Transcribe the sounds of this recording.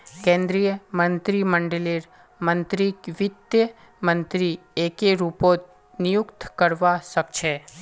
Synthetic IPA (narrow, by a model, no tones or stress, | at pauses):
kẽnd̪ɾijəmənt̪ɾiməɳɖeliɾ | mənt̪ɾikʋɪd̪jə | mənt̪ɾiekeɾupot̪ | nijukt̪kəɾʋaʃəkt͡ʃʰe